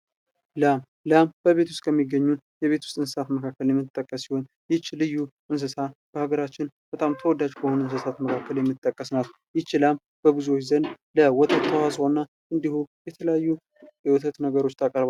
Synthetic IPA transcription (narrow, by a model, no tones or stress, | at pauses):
lam | lamb̥əβe̞t̪ʰu̥st̪ʼkʰəmːiɡːəɲːun | jɛβe̞t̪ʰu̥st̪ʼɨnsɨsat̪məkʰakːəljɛmːɨt̪ʼːəkʼːəsːiho̞n | jɪt͡ʃːlɨjːuʔɨns̬əsab̥əhaɡəɾat͡ʃːɪnb̥ət̪ʼamt̪ʰəwɔd̪ad͡ʒkʰəhonɨns̬əsat̪məkʰakːəljɛmːɨt̪ʼːəkʼːəsnat̪ | jɪt͡ʃːɪlam | b̥əbɨzuot͡ʃːzənd̪ | ləwɔt̪ʰət̪ːəwasonːa | ʔɨnd̪ihujɛt̪ʰələjajːu | jɛwɔt̪ʰət̪nəɡəɾo̞t͡ʃːt̪ʰakʼəɾβa